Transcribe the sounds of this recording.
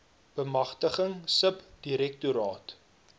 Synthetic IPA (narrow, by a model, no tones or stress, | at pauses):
b̥əmɐχtəχəŋsəpd̥iɾɛk̚tuɾɑːt